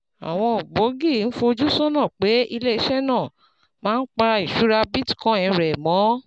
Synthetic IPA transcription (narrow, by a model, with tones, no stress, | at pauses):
a̰˨w̃ɔ̃˧˨ɡ͡bo˨˦ɡi˦˨n̩˦fo˧d͡ʒu˦sɔ˦nã˦˨k͡pe˨˦i˧le˦i˦˧ʃɛ˦nã˦˨ | mãː˦n̩˦k͡pa˧i˨ʃu˨˦ɾa˧bi˦ti̥˨kɔ̃˦ɛ̃˧˨ɾɛ˨mɔ̃˨˦